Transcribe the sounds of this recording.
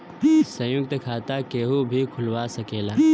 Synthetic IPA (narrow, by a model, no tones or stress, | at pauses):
sə̃jʊk̚t̪kʰaːt̪akeːɦubʱikʰʊlwasəkeːlaː